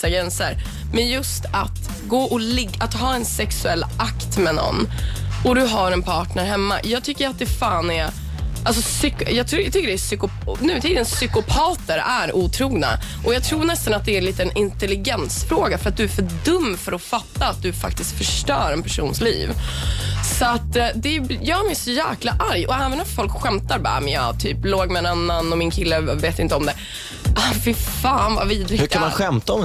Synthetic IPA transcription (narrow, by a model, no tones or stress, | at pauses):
aɡɾɛnsəɾ | mɛnjɵst̪at̪ | ɡoːʔɔlɪɡːʔat̪ɦɑːɛnsɛksɵɛlːʔakt̪mɛnɔ̰nːɔd̪ɵɦaɾɛnpʰɑːʈnɳæɾɦɛmːa̰jɑːɡ̚t̪ʰʏkːəɾat̪̚d̪ɛfaːnɛɾ | ʔalsɔsʏkjɑːɡt̪ʰːt̪ʰʏkːəɖɛæsʏkʊ | nʉ̟ːt̪ʰiːd̪ənsʏkʊpʰɑːt̪əɾæɾuːt̪ʰɾuːɡna̰ʔɔjɑɡt̪ʰɾuːɳɛst̪anat̪̚d̪ɛæɾliːt̪əːnʔɪnt̪ɛlɪɡɛnsfɾoːɡafœɾat̪̚d̪ɵæɾfœdɵmːfœɾɔfat̪ːaːt̪̚d̪ɵfa̰k̚t̪ɪsk̪fœʂʈœːɾɛnpʰæʂṵːnslḭːv | sɔat̪ːd̪ɛjɑːɡmɛjsɔjæːklaʔaɾjɔɛːvənafɔlkɧɛmt̪aɾba̰ːmɪɑ̰t̪ʰyːploːɡmɛɛnanːanɔmɪnkʰɪlːəveːt̪ɪnt̪əɔmd̪ɛ | fɪfaːnva̰viːd̪ɾɪɡhɵkʰamanɧɛmt̪aɔ